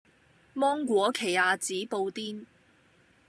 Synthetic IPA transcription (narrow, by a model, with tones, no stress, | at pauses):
mɔː˥ŋkʷɔː˨˥kʰe˨˩jaː˨˧t͡siː˨˥po˧wt̪iː˥n